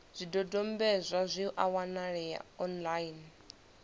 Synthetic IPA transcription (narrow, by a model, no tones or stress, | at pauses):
z̥ʷidɔdɔmbɛzʷazʷiʔawanaɺɛja̰ɔnlain